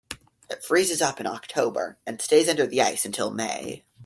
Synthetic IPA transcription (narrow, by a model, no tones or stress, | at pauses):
ɨ̰tfɹizɨzʌpɨ̃ñɑ̰k̚tʰoʊbə̰˞ɨ̃nsteɪzʌ̃ndə˞ðiaɪsɨ̃n̩tʰɪlˠmḛɪ